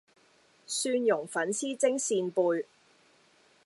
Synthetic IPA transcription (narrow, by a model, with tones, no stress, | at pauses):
syː˧njʊ˨˩ŋfɐ˨˥nsiː˥t͡sɪ˥ŋsiː˧npuː˧j